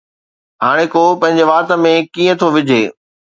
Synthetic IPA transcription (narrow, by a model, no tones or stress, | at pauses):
ɦaːɽ̃ekopɐ̃ɦɪ̃ɲd͡ʑeʋaːɾt̪ə̆mẽkiːə̃t̪ʰoʋɪd͡ʑʱeː